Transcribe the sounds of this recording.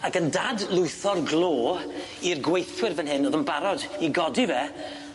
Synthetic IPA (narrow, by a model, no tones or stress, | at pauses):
akəndadlˠʊɨθɔrɡlˠoː | irɡwejθwɪrvɛnɦɪnoːðənbaɾɔdiɡɔdivɛ